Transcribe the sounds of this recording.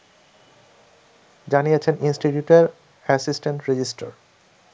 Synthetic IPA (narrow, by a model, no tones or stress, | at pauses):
d͡ʑanijet͡ɕʰeninsʈiʈjuʈeɾ | ɛsisʈeɳʈɾed͡ʑisʈa̰ɾ